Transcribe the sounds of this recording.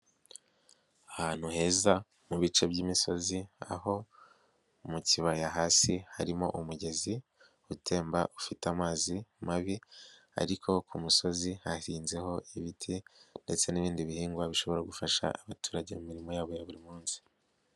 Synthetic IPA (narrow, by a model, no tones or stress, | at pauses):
ahaːn̥huhe̞ːza | muβit͡ʃe̞bɟiːmiso̞zia̰ho̞ | umuciβajaɦaːsihaɾimo̞̰ʔumuɟe̞zi | utʰe̞ːmbaʔufitamaːzimaβi | a̰ɾikʰo̞kʰumuso̞zihaiːnze̞ho̞iβitʰinde̞t͡se̞niβiːndiβihiːŋɡwaβiʃo̞βo̞ɾaɡufaʃa̰aβatuːɾaɟe̞mumiɾimo̞jaːβo̞jaβuɾimuːnsi̥